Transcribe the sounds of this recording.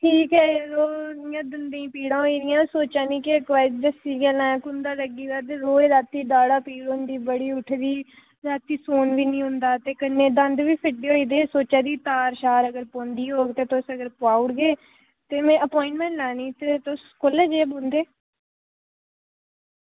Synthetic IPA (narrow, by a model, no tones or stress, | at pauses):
ʈʰiːkɦɛːɾoːnɪjãːd̪ənd̪ẽĩːpiːɽãːiːɾɪjãːsoːt͡ʃãːnĩːkɪəkːd͡ʒəsiːɡɛlãːkʊnd̪aːləɡiːd̪aːt̪eːɾoːeːɾaːt̪ːiːdaːɽaːpiːɽond̪iːbəɽiːʊʈʰd̪iː | ɾaːt̪ːiːsoːnʋiːnĩːɦʊ̃nd̪aːt̪eːkəneːd̪ə̃nd̪ʋiːpʰɪɖeːoːiːd̪eːsoːt͡ʃaːd̪iːt̪aːɾʃaːɾəɡəɾpõːnd̪iːɦoːɡt̪eːt̪ʊsəɡəɾpaːʊɽɡeː | t̪eːmɛ̃ːʔəpɔːɪ̃ɳʈmɛ̃ːɳʈlaːniːt̪et̪ʊskʊleːd͡ʒeːbõːnd̪eː